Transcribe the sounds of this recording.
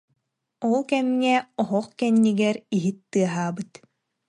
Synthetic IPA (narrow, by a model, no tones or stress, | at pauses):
ɔlˠkɛmŋɛɔɦɔqkɛnːiɡɛɾiɦit̪ːɯɐɦaːbɯt̪